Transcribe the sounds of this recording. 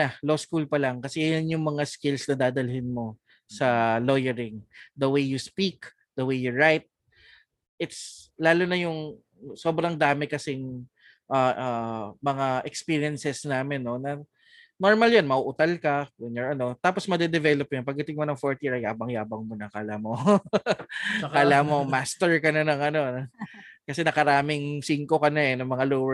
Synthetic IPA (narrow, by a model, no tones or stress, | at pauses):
ɐloskulpɐlɐŋkɐsɛjjʊnjʊŋmɐŋaskɪlsnɐd̪aːd̪ɐlhɪnmo̞ | sɐlo̞jɛɾɪŋd̪ɐwejjʊspik | d̪̥ɐwejjʊɹajt̪̚ | ʔɪt̪slaːlonɐjʊŋ | so̞ːbɾɐŋd̪aːmɪkɐsɛŋ | ʔaʔamɐŋaʔɛkspiːɹiɛnsɛsnaːmɪnːo̞nɐ | no̞ɹmɐljonmɐuʔʊt̪ɐlkɐwɛnjɔɹɐno̞t̪aːposmɐd̪ɛd̪ɛvɛlop̚nɐnpɐɡ̚d̪ɐt̪ɪŋmonɐŋfoɹt̪jiɹɐjaːbɐŋjaːbɐŋmonɐkalamo | kalamomast̪ɛɹkɐnɐnɐŋɐno̞nɐkɐsɛnɐkɐɾaːmɪŋsiŋkokɐnɐɛnɐmɐŋaloːwɛ